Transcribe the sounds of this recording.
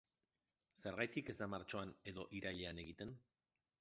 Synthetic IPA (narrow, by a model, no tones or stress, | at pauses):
se̞ɾɣajt̪ike̞zd̪amaɾt͡ʃo̞ane̞ðo̞ʔiɾaʎe̞ane̞ɣ̞it̪e̞n